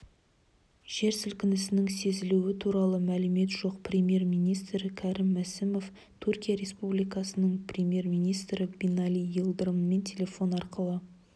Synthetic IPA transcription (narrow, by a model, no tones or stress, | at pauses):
ʒ̥e̞ɾsʏlkʲɪnɪsɪnɪŋse̞zɪluɪt̪ʰuɾɑlˠəmælɪme̞t̪ʒo̞qprʲemje̞rmijnijst̪ɾɪkʲʰɑɾɪmːæsɪmo̞f | t̪ʰurkʲijaɾe̞spublijkɑsənəɴpʰrʲemʲje̞rmʲijnijst̪ɾɪbʲinɑlʲijilˠd̪əɾəmme̞nt̪ʲʰe̞lʲe̞fo̞nɑɾqəlˠə